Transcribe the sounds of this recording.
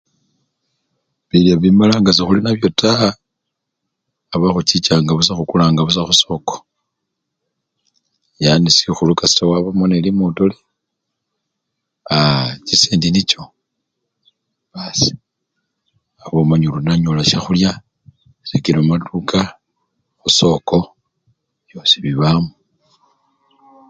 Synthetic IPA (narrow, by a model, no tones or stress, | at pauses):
βiljaβimalaːŋɡasixulinaβjo̞ta | βaxut͡ʃit͡ʃaːŋɡaβus̬axukulaːŋɡaβus̬axuso̞ko̥ | janisixulukasi̥tawaβamonelimutole | at͡ʃiseːndinit͡ʃo̞ | βasi̥ | aβomaɲulunaɲolaʃaxulja | sekiɾomatukʰa | xuso̞ko̞ | βjo̞siβiβaːmu